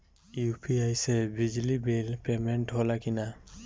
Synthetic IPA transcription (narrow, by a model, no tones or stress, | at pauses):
jupʰiajsɛbid͡ʒlibelpɛmɛnʈɦɔlakina